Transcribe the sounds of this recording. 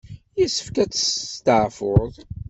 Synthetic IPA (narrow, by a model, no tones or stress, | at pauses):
jəsə̥fkæt͡sːə̥t̪əʕfʊðˤ